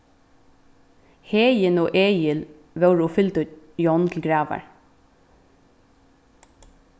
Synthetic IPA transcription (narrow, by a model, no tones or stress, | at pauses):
heːjənoːʔeːjəl | ʋœʊɹuːfʏlt̪ʉːt̪jɔnt̪ʰl̩ɡɹɑːʋa̰ɹ